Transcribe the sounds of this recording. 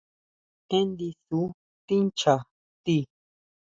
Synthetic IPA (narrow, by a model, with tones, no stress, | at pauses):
kẽ˦nd̪i˧su˨˦ | t̪i˦nt͡ʃa˨ | t̪i˧˨